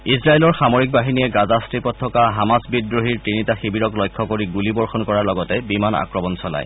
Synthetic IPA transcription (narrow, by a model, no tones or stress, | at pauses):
isɹajelɔɹxamoɹik̚baɦiniɛɡazastɹipɔtʰːɔkaɦamasbidɹoɦiɹtinitaxibiɹɔklɔjkʰːɔkoɹiɡulibɔɹxɔnkɔɹaɹlɔɡɔtɛbimana̰kɹɔmɔnsɔla̰j